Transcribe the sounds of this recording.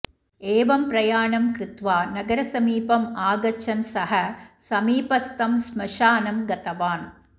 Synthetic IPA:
eːʋɐmpɾɐjaːɳɐmkɾɪt̪ʋaːnɐɡɐɾɐsɐmiːpɐmaːɡɐt͡ʃːɐnsɐɦɐsɐmiːpɐst̪ɐmsmɐʂaːnɐmɡɐt̪ɐʋaːn

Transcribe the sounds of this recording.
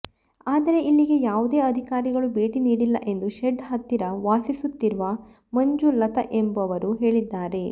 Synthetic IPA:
aːd̪ɐɾe̞ʔilːiɡe̞jaːʋud̪eːɐd̪ʱikaːɾiɡɐɭubeːʈiniːɽilːɐ̰ʔe̞nd̪uʃeɖɦɐt̪ːiɾɐʋaːsisut̪ːiɾuʋɐ | mɐɲd͡ʒulɐt̪ɐ̰ʔembɐʋɐɾuɦe̞ːɭid̪ːaːɾe̞

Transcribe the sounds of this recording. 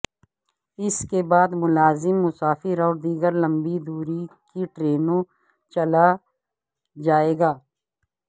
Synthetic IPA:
ɪskebaːd̪mʊlaːzɪmːʊsaːfɪɾɔːɾd̪iːɡəɾlɐ̃mbid̪uːɾikiʈɾeːnõ | t͡ʃɐla | d͡ʒaːeːɡaː

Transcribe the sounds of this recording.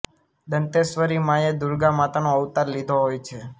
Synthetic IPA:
d̪ənt̪esʋəɾimãjed̪uɾɡamat̪anoəʋt̪aɾlid̪ʱoɦojt͡ʃʰe

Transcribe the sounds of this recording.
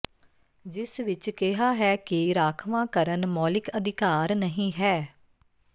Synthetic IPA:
d͡ʒɪsʋɪt͡ʃkɪɦaːɦɛːkiɾaːkʰʋãːkəɾənmɔːlɪkəd̪ɪkaːɾnəɦĩːɦɛː

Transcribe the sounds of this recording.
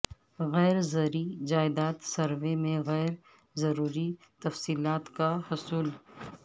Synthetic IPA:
ɣɛːɾzɐɾid͡ʒaːɪd̪aːt̪sɐɾʋemẽɣɛːɾ | zɐɾuːɾit̪ɐfsiːlaːt̪kahʊsuːl

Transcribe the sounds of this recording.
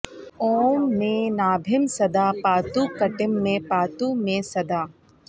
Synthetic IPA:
oːmːẽnaːbʱɪmsɐd̪aːpaːt̪ukɐʈɪmːẽpaːt̪umẽsɐd̪aː

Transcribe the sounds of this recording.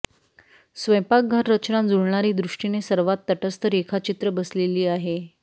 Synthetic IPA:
sʋəjpak̚ɡʱəɾːət͡ɕnãnd͡zuɽɳaɾiːd̪ɾuʂʈinesəɾʋat̪ːəʈəst̪əɾekʰat͡ɕit̪ɾəbəsleliːaɦe

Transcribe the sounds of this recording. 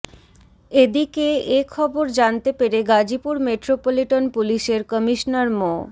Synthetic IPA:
ed̪ikeekʰɔboɾd͡ʑant̪epeɾeɡad͡ʑipuɾmeʈɾopoliʈonpuliʃeɾkɔmiʃnaɾmo

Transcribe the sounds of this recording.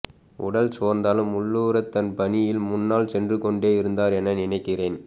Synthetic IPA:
ʔʊ̰ɽɐlsoːɾnd̪aːlɯmʊɭːuːɾɐt̪ːɐnpɐnɪjɪlmʊnːaːlsɛndrɯkɔɳɖeːɪɾɯnd̪aːɾɛnɐnɪnɐɪkːɪreːn

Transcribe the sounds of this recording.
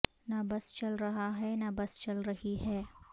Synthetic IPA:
nabɐst͡ʃɐlɾɐɦaɦɛnabɐst͡ʃɐlɾɐɦiɦɛː

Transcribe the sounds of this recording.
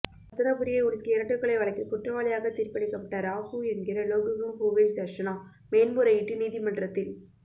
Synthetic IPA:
ɐt̪ːɐnɐpɯɾɪjɐɪʊɾɯkːɯɪɾɐʈːɯkːɐɭɐɪʋɐɭɐɪkːɯkʊʈrɐʋaːɭɪjaːɣɐt̪iːɾpɐɽɪkːɐpːɐʈːɐɾaːɣuɛnɡɪɾɐloːɣɯɣɯmhoːʋeːsd̪ɐɾʂɐnoː | meːnmuːɾɐɪʈːiniːðimɐnɖrɐt̪ːɪl

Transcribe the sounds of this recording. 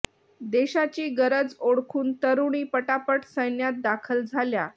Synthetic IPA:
d̪eɕat͡ɕiːɡəɾəd͡zoɽkʰuːnt̪əɾuɳ̃iːpəʈapəʈsəjnjat̪̚d̪akʰəld͡zʱalja

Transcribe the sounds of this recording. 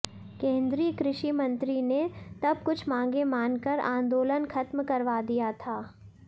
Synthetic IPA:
kẽːnd̪ɾiːəkɾɪʃimɐ̃nt̪ɾinet̪ɐb̚kʊt͡ʃʰmãːŋ̆ɡemãːnkɐɾã̰ːnd̪oːlənkʰɐt̪mkɐɾʋad̪ijat̪ʰaː

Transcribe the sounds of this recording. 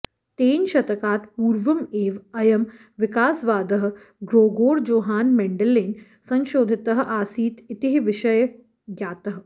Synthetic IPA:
t̪eːnʃɐt̪ɐkaːt̪puːɾʋɐmeːʋɐjɐm | ʋɪkaːsʋaːd̪ɐɦɐ̆ | ɡɾoːɡoːɽd͡ʒoːɦaːnmɛɳɖɐlːeːn | sɐ̃nʃoːd̪ʱɪt̪ɐɦʔaːsiːt̪ɪt̪iɦiʋɪʃɐjɐ | ɡjaːt̪ɐɦ̆

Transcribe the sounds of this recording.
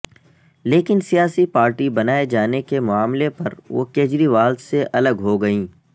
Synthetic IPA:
leːkɪnsijaːsipaːɾʈibɐnaːed͡ʒaːnekemʊaːmlepɐ̰ɾʋo̰ːkeːd͡ʒɾiʋaːlseʔɐləɡɦoɡɐĩː

